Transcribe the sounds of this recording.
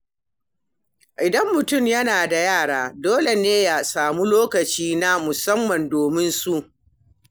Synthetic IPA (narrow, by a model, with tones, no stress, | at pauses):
ʔɪ˨dɐ˦mːʊ˨tʊ˦˨mjɐ˦naː˨da˨jaː˦˨ɽaː˦doː˦le˨neː˦ja˨saː˨mu˦loː˦kɐ˨t͡ʃiː˦na˦mʊ˨sɐ˦mːɐ˨ndoː˨mɪ˦nsu˦ʔ